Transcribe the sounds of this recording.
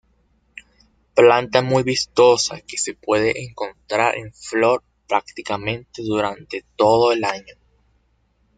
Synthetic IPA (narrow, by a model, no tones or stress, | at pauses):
plant̪amujβist̪o̞sa̰ke̞se̞pwe̞ðeʔeŋko̞nt̪ɾaɾʔḛɱflo̞ɾ | pɾak̚t̪ikamẽ̞nt̪e̞ðuɾant̪e̞t̪o̞ðo̞elaɲo̞